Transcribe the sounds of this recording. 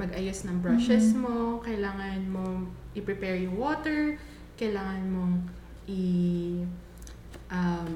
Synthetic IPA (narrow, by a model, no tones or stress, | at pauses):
mɐɡʔɐjosnɐŋbɹaʃɛsmokɐjlaːŋɐnmoʔɪpɾɪpɛɹjʊŋwoːt̪ɛɹ | kɐjlaːŋɐnmo̞ŋ | ʔɪ | ʔɐm